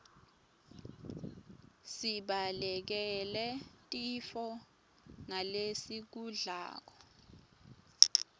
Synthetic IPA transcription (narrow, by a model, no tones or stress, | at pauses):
siɓalɛk̬ɛlɛtʼifɔ | ŋalesik̬uɮa̰ːk̬ɔ̥